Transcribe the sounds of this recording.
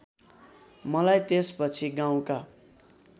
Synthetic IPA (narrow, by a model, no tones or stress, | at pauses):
mʌlajt̪espʌt͡sʰiɡãw̃ka